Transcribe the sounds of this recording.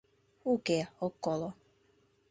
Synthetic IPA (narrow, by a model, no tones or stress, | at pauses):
ukeokːolo